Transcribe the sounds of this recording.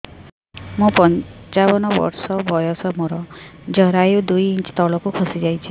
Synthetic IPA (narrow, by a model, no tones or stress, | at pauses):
mũpɔnt͡ʃabɔnɔbɔ̰ɾsɔbʱɔjɔsɔmɔɾɔd͡ʒɔɾajud̪ujint͡ʃt̪ɔɭɔkukʰɔsid͡ʒajt͡ʃʰi